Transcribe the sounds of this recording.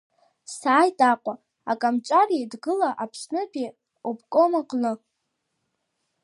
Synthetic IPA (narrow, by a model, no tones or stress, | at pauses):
saːjtʼaqʷʼa | akʼamt͡ʃʷʼaridɡɨlaʔapʰsnɨpʰʼi | opkʷʼomaqʼnɨ